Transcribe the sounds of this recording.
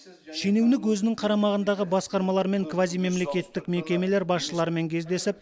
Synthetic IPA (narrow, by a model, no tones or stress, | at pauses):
ʃe̞newnɪk̬wɵzɪnɪŋqʰɑɾɑmɑʁənd̪ɑʁəbɑsqɑɾmɑlˠɑɾme̞ŋkvazijme̞mle̞kʲe̞t̪ːɪkme̞kʲe̞me̞le̞ɾbɑsʃəlˠɑɾəme̞ŋkʲʰe̞zd̪e̞sɪp̚